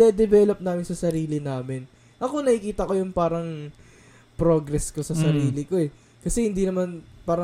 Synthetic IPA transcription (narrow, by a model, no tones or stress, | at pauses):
d̪ɛd̪ɛbɛlop̚naːmɪnsɐsɐɾiːlɪnaːmɪn | ʔɐko̞nɐʔɪkiːt̪ɐko̞jʊŋpaːɾɐŋ | pɾoɡɾɛsko̞sɐsɐɾiːlɪko̞ɛ | kɐsɛhɪnd̪inɐmanpaːɾɐ